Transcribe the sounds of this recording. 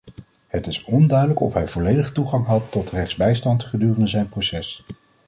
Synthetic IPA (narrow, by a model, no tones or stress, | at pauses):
hətɪsɔndœɥdələkɔ̰fɦɛjvɔlejdəχtuχɑŋɦɑtːɔtrɛχzbɛjstɑntχədyːrəndəzɛjnprosɛs